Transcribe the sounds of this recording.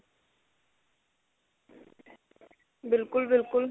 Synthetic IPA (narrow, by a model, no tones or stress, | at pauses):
bɪlkulbɪlkul